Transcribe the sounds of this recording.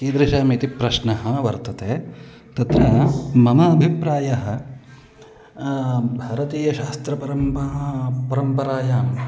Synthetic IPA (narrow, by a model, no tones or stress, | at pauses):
kiːd̪ɾiʃaːmiːt̪ipɾɐʃnɐɦɐ̆ʋɐɾt̪ɐt̪eː | t̪ɐt̪ɾɐmɐmɐːbʱipɾaːjɐɦɐ̆ | bʱɐɾɐt̪iːjɐʃaːst̪ɾɐpɐɾɐmɐɦpɐɾɐmpɐɾaːjaːm